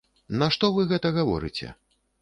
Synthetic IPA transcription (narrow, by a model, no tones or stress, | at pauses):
naʂt̪ɔvɨɣɛt̪ɐɣavɔ̰ɾɨ̰t͡sʲɛ̰